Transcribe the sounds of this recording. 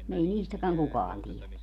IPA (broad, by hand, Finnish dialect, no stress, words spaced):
ei niːstækæŋ kukɑːn tielæ